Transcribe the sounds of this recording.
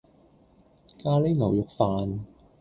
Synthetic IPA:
kaː˧le˥jŋɐ˨˩wjʊ˨k̚faː˨n

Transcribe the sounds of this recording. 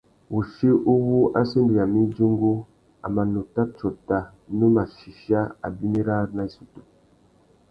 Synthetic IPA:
wu˨ʃi˦ʔu˦wu˦a̰˦si˦ndi˨a˨mi˦d͡ʒi˦ŋɡu˦ | a̰˨ma˨nu˨ta˦t͡ʃo˨ta˨ | nu˦ma˨ʃi˨ʃa˦a̰˨bi˦ni˦ɾa˦na˦i˦su˨tu˨

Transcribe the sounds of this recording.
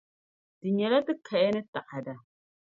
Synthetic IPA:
dɨ˨ɲɛ˨la˦tɨ˦kʰa˨jɛ˦nɨ˦ta˨ʔa˨da˨

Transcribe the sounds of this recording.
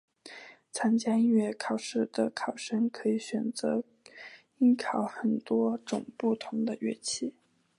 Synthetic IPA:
t͡sʰa˥nt͡ɕja˥i˥nɥɛ˥˩kʰɑ˨˩ʊʂɻ̩˥˩d̪ə˩kʰɑ˨˩ʊʂə˥ŋkʰɤ˧˥i˧˩˦ɕɥɛ˨˩nt͡sɤ̰˧˥ | i˥nkʰɑ˨˧˥ʊxə˨˩nt̪wɔ˥ʈ͡ʂʊ˨˩ŋpu˥˩t̪ʰʊ˧˥ŋd̪ə˧ɥɛ̰˥t͡ɕʰi˥˩

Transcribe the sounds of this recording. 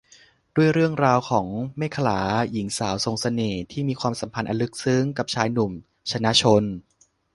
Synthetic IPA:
du˥˩əjɾɯ˥˩əŋɾaː˧wkʰɔː˩˦ŋmeː˥˩kʰa˧laː˩˦ji˩˦ŋsaː˩˦wso˧ŋsa˧neː˨˩t̪ʰiː˥˩miː˧kwaː˧msa˩˦mpʰa˧nʔa˧nlɯ˦˥k̚sɯ˦˥ŋka˨˩p̚t͡ɕʰaː˧jnu˨˩m | t͡ɕʰa˧na˦˥t͡ɕʰo˧n

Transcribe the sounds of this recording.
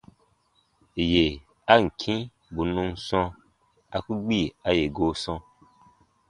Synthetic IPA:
je˨ | a˦ŋ̩˨kʰĩ˦ | bu˨nũ˧n˦sɔ̃˧ | a˦ku˦ɡ͡bi˦˨a˦je˨ɡo˦sɔ̃˧

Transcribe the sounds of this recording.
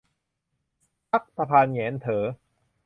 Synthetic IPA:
pa˦˥k̚sa˧pʰaː˧njɛː˩˦nt̪ʰɤː˩˦

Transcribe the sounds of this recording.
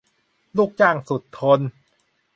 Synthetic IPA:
luː˥˩k̚t͡ɕaː˥˩ŋsu˨˩t̪ʰːo˧n

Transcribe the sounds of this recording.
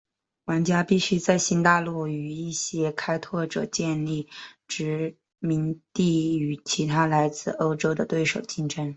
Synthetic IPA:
wa˧˥nt͡ɕja˥pi˥˩ɕy˥t͡sa˥˧˩ɪɕi˥nt̪a˥˧lu˥˩y˨˩i˥˩ɕjɛ˥kʰa˥ɪt̪ʰwɔ˥˩ʈ͡ʂɤ̰˨˩t͡ɕjɛ˥˧nli˥˩ʈ͡ʂɻ̩˧˥ | mi˧˥nt̪i˥˩y˨˩t͡ɕʰi˧˥t̪ʰa˥la˧˥ɪt͡sɹ̩˥˩o˥ʊʈ͡ʂo˥ʊd̪ə˨t̪we˥˩ɪʂo˨˩ʊt͡ɕi˥ŋʈ͡ʂʰə˥ŋ

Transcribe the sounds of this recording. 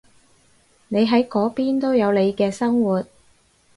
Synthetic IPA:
ne˨˧jɦɐ˨˥jkɔː˨˥piː˥nt̪o˥wjɐ˨˧wle˨˧jkɛː˧sɐ˥ŋwuː˨˩t̚

